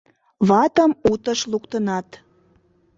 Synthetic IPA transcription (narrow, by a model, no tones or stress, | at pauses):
βɑt̪əmut̪əʃlukt̪ənɑt̪